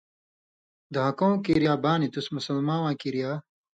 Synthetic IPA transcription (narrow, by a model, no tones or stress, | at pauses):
d̪ɐɦɐkõwkiɾijaːbaːnit̪usmusɐlmãːwãːkiɾijaː